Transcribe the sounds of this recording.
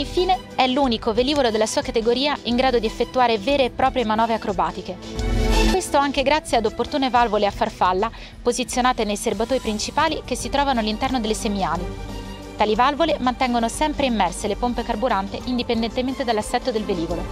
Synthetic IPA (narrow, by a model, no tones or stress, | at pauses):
iɱfiːne | ɛluːnikoveliːvolod̪elːasuːakat̪eɡoɾiːaʔiŋɡɾaːd̪od̪iefːet̪ːuaːɾevɛːɾeːpːɾɔːpɾjemanɔːveakɾobaːt̪ike | kwest̪oaŋk̟eɡɾat̪sːjead̪opːort̪uːnevalvoleafːarfalːa | pozit̪sjonaːt̪enejserbat̪oːɾipɾint͡ʃipaːlikesːit̪ɾɔːvanoalːint̪ɛrnod̪elːesemiaːli | t̪aːlivalvolemant̪ɛŋɡonosɛmpɾeimːɛrselepompekarbuɾant̪eʔind̪ipend̪ɛnt̪ement̪ed̪alːasːɛt̪ːod̪elveliːvolo